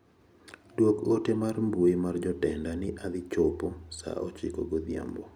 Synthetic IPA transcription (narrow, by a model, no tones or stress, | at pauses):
dwokotemarmbuemard͡ʒɔtɛndanɪʔad̪ɪt͡ʃoposa̰ʔɔt͡ʃɪkoɡod̪ja̰mbɔ